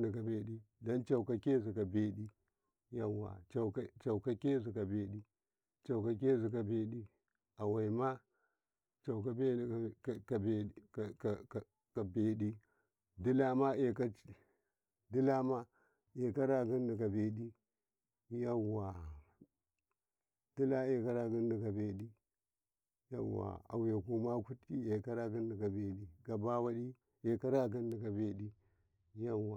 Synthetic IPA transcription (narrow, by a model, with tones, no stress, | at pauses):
ni˨ka˨be˨ɗi˦da˦nt͡ʃa˨u˨ka˨ke˦zi˨ka˨be˨ɗi˦ | ja˦wa̰˨a˨˦t͡ʃa˨u˨ka˦ke˦zi˨ka˨be˨ɗi˦ | t͡ʃa˨wka˨ke˦zi˨ka˨be˨ɗi˦ | a˨wa˨i˨ma˦ | t͡ʃa˨u˨k̬a˦be˦˨ka˨be˨ | ka˨be˨ɗi˦ | di˦la˦ma˦e˨ka˦ | di˦la˦ma˦ | e˨ka˦ɾa˦˨ɡi˦ndi˨ka˨be˨ɗi˦ | ja˦wa˨ | d̥i˦la˦e˨ka˦ɾa˨ɡi˦ndi˨ka˨be˨ɗi˦ | ja̰˦wa̰˨a̰˨we˨ku˦ma˦ku˦tki˦e˨ka˦ɾa˦ɡi˦ndi˨ka˨be˨ɗi˦ɡa˨ba˦wa˦ɗi˦ | e˨ka˦ɾa˦˨ɡi˦ndi˨ka˨be˨ɗi˦ | ja˦wa˨